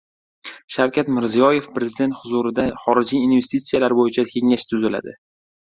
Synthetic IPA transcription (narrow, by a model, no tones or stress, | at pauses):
ʃawkʲʰat̪mɪɾzijɒje̞fpɾe̞zɪd̪e̞nt̪hʊzuɾɪd̪aχɒɾɪd͡ʒiinve̞st̪it̪sijalaɾbojɪt͡ʃʰakʲʰe̞ŋaʃt̪ʰʊzɪla̰d̪ɪ̰